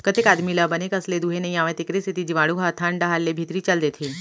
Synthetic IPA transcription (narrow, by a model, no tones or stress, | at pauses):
kət̪ekaːd̪milabənekəsled̪uɦenɐĩaːʋẽt̪ɪkɾest̪ʰit̪id͡ʒiʋãːɽuɦat̪ʰãɳɖaɦalːebʱit̪ɾit͡ʃəld̪et̪ʰi